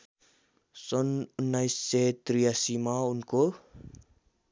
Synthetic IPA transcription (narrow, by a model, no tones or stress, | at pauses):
sɔnunːajset̪ɾijasimaunko